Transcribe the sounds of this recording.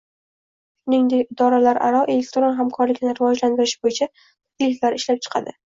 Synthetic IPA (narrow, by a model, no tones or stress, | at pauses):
ʃʊnɪŋd̪ekʲɪd̪ɒɾalaɾʔa̰ɾɒʔe̞le̞k̚ʲt̪ɾo̞nɦamkʰɒɾlɪkʲɪnɪɾɪvɒd͡ʒland̪ɪɾɪʃɪbojɪt͡ʃʰa | ɪlɪkʲlaɾɪʃlap̚t͡ʃʰɨ̥qʰɑ̰d̪ɪ